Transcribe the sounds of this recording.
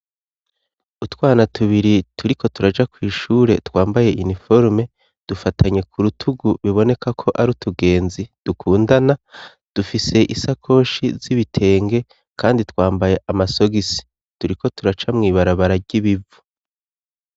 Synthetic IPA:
utwaːnatʰuβiɾituɾikʰo̞tuɾad͡ʒakwiːʃuːɾe̞twaːmbaje̞ʔinifo̞ɾme̞ | d̥ufatʰaɲe̞kʰuɾutʰuɡuβiβo̞ne̞kʰakʰo̞ʔaɾutuɡe̞ːnzid̥ukʰuːndana | d̥ufise̞ʔisakʰo̞ːʃiziβitʰe̞ːŋɡe̞ | kʰaːnditwaːmbaje̞ʔamaso̞ɡisi̥ | tuɾiko̞tʰuɾat͡ʃamŋiːβaɾaβaɾaɟ̥iβivu

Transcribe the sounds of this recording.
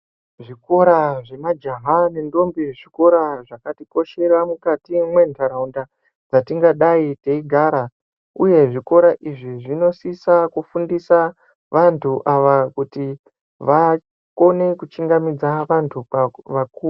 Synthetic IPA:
ʐiko̞ɾaʐe̞mad͡ʒaɦane̞ndo̞mbiʐiko̞ɾaʐakatiko̞ʃe̞ɾamukatimwe̞ntʰaɾaunda | d͡zatiŋɡaɗaiteiɡʱaːɾa | uje̞ʐiko̞ɾaʔiʐiʐino̞sisakufundisa | ʋantʰuʔaʋakuti | ʋa | ko̞ne̞kut͡ʃiŋɡamid͡zaʋantʰuaʋakuː

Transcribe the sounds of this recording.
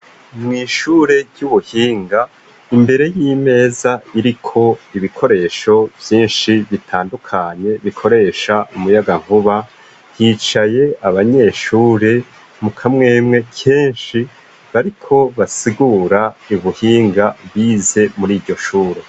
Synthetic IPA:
mŋiːʃuːɾe̞ɾɟuβuhiːŋɡa | imbe̞ɾe̞jiːme̞ːzaiɾikʰo̞iβikʰo̞ɾe̞ːʃo̞vjiːnʃiβitʰaːndukʰaɲe̞βikʰo̞ɾe̞ːʃaumujaɡaŋ̥huβa | hiːt͡ʃaje̞aβaɲe̞ʃuːɾe̞ | mukʰamŋe̞ːmŋe̞kʰe̞ːnʃi | βaɾikʰo̞βasiɡuːɾaiβuhiːŋɡaβize̞muɾiːɾɟo̞ʃuːɾe̞

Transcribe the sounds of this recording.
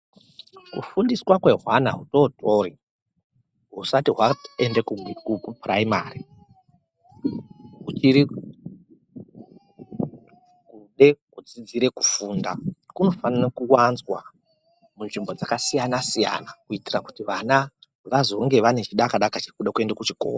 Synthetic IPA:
kṵfundiswakwe̞ɦwana̰ɦuto̞to̞ːɾi | ɦusatiɦwaendekukukupraima̰ːri | ɦut͡ʃiɾi | kuɗe̞kud͡zid͡ziɾe̞ku̥fuːndakuno̞fanirakuwanzwa̰ | munʐimbo̞d͡zakasijanasija̰nakuitiraku̥tiʋana | ʋazo̞ŋɡe̞ʋane̞t͡ʃiɗakaɗakat͡ʃi̥kuɗakue̞ndakut͡ʃiko̰ːa

